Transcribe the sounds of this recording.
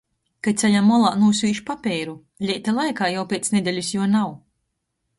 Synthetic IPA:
kajt̪sʲɛʎʲamːɔlˠaːnuːs̬ʲviːʃpapʲɛːɾu | lʲit̪alˠajkaːjawpʲeːt̪snʲed̪ɛlʲusjuɔnaw

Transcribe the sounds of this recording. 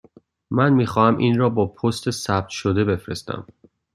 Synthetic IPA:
mænmiːxɒːhæmʔiːnrɒːbɒːpʰost̪ʰe̞sæb̚t̪ʰʃod̪e̞be̞fɾest̪æ̰m

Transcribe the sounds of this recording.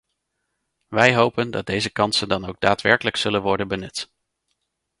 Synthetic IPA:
ʋɛjɦowpəndɑ̰t̚d̚dejzəkɑnsəndɑnowɡ̚daːtʋɛɹkələksɵlənʋɔɹdənbənɵt

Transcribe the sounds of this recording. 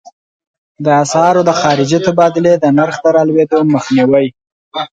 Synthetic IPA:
d̪əasɑɾod̪əxɑɾɪd͡ʒit̪abɑd̪ɪled̪ənaɾxd̪əɾɑlwed̪oməxniwaj

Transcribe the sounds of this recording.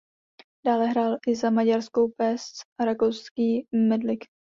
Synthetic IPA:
d̥aːlɛɦɾaːlʔɪzamaɟaɾskowpɛst͡saɾakowskiːmɛdlɪk

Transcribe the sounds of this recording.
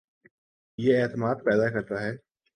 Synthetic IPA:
jeɛːt̪əmaːd̪̚pɛːd̪akɐɾt̪aɦɛː

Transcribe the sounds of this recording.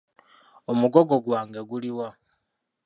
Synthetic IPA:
omuɡoɡo̞ɡwaːŋɡe̞ɡuliwa

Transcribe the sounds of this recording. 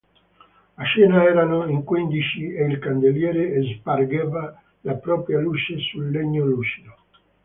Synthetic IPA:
aʃɛːnaɛːɾanoiŋkwind̪it͡ʃieilkand̪eljɛːɾeːzparɡɛva | lapɾɔːpɾjalut͡ʃesulːeɲːolusio

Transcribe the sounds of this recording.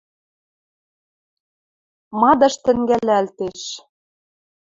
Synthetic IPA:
mɑd̪ɤ̆ʃt̪ɘ̆ŋɡælæælt̪eʃ

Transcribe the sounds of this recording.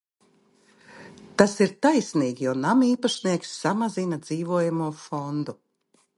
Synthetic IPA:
t̪asiɾt̪ajsniːɡʲijɔnamiːpaʃniɛksːamazinad̪z̥iːvuɔjamuɔfɔnd̪u

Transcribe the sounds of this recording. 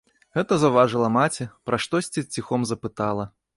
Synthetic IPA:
ɣɛt̪ɐzɐwvaʐɨlˠɐmat͡sʲɛpɾɐʂt̪ɔsʲt͡sʲit͡sʲixɔmzɐpɨt̪alˠɐ

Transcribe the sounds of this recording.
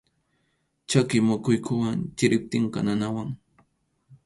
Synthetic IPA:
t͡ʃakɪmʊkʊjkʰʊwant͡ʃɪɾɪp̚t̪ɪɴkɑ̰nanawaŋ

